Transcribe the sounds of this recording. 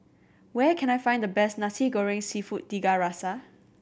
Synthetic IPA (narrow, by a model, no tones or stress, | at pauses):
wɛkʰɛ̃najfãɪ̃ndəbɛsnasiɡɔɹɪ̃ŋsifut̚ːd̥iɡaɹasa